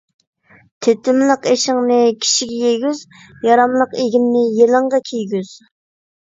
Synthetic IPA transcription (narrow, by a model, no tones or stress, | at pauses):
t̪ʰet̪ɪmlˠəqeʃɪŋnɨkʲʰi̥ʃiɡʲɛjeɡʲyz | jɑɾɑmlˠəqeɡʲimnɪjelɨɴʁɑkʲʰejɡʲyz̥